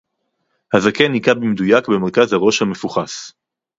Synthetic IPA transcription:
hazakenikabimedujakbe̞meʁkazhaʁo̞ʃhame̞fuχas

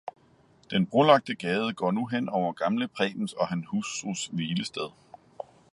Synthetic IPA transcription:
d̥enb̥ʁolɑ̈ɡ̥̚d̥əɡ̥ɛːð̞ˠəɡ̥ɒ̰ːnuɦen̰ɒʊɐɡ̥ɑ̈mləpʰʁɛ̰ːb̥n̩sɒ̽ɦænhususʋiːləsd̥eð̞ˠ

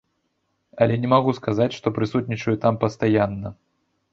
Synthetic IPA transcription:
ɐlʲɛnʲɛmaɣuskazat͡sʲʂt̪ɔpɾɨsut̪̚ʲnʲit͡ʂɐjut̪ampɐst̪ajanːɐ

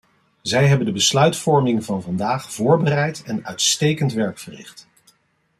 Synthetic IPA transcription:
zɛjɦɛbəndəbəslœɥtfɔɹmɪŋvɑnvɑndaːχv̥ʊːɹbərɛjtɛnœɥtstejkəntʋɛɹkfərɪ̰χt

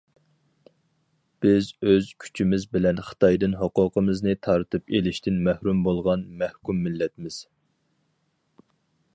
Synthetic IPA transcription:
b̥ɪzøz̥kʲʰy̥t͡ʃʰimɪzbɪlɛnχə̥t̪ɑjd̪ɨnɦoqʊqəmɨznɨt̪ʰɑɾt̪ʰɨpelɪʃt̪ʰɪnmæhɾumbolˠʁɑnmæhkʲumːɪlːɛt̪mɪz̥

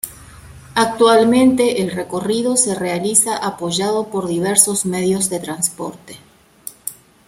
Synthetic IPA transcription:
ak̚t̪walmẽnt̪eʔelreko̞riðo̞serealisaʔapo̞ʒað̞o̞po̞ɾðiβ̞eɾsozmeðjozðet̪ɾanspo̰ɾt̪e

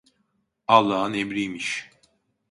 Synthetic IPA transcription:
ɑlˠːaːnemɾijmiʃ

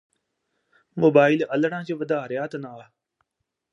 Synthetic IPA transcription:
moːbaːɪləlɳãːt͡ʃeːʋəd̪aːɦəɾjaːt̪naaː

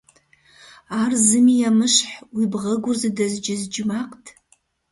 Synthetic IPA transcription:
arzɨmijamɨʂħwibʁəɡʷʊrzadazd͡ʒɪzd͡ʒmaqʼtʰʼ

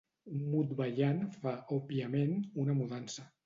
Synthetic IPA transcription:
mut̪βaʎanfaʔopiamenunəmuðansə

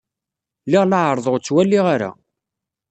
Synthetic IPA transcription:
lɪʁlaʕəɾˤðˤəʁt͡sːwælːiʁaɾa̰

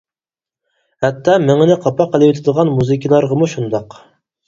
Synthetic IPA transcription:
hɛt̪ʰːɑmɪŋɪnɪqʰɑpɑqʰːəlˠɪwet̪ʰɪd̪əʁɑnmuzɨkʲʰilˠɑɾʁəmuʃund̪ɑq

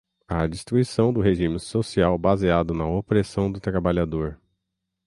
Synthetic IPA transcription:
ɐd͡ʒist̪ɾuisɐ̃w̃d̪ʊɦeʒĩmɪsosiawbaziad̪ʊnɐopɾesɐ̃w̃d̪ʊt̪ɾabaʎad̪oɾ

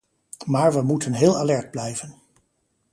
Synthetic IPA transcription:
maːɹʋəmutʰənɦɪːlˠalɛɹd̚blɛjvən

